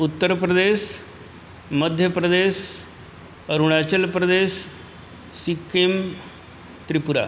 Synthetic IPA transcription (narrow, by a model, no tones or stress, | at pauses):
ut̪ːəɾpɾəd̪eɕ | məd̪ʱjəpɾəd̪eɕ | əɾuɽ̃at͡ɕəlpɾəd̪esː | ikem | t̪ɾipuɾa̰